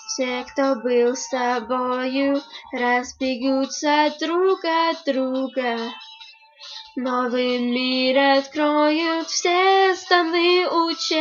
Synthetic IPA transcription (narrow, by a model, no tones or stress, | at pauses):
fsʲekt̪obɨlˠst̪ɐbojʊɾɐzbʲɪɡut̪səd̪ɾuɡɐd̪ɾuɡə | novɨmʲiɾɐt̪kɾojʊt̪fsʲest̪ɐnɨut͡ɕ